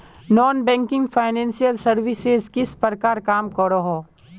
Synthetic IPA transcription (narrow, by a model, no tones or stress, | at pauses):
nɔːnbɛ̃ːŋkɪ̃ŋɡfʰaːɪnɛ̃ːnsijəlsɐɾʋɪsezkɪspəɾkaːɾkaːmkɔɾoɦoː